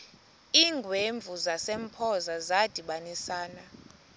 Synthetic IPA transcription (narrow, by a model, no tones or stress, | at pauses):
iːŋɡʱweɱb̪vʱuzasem̩pʰɔzazad̥ʱiɓanisaːna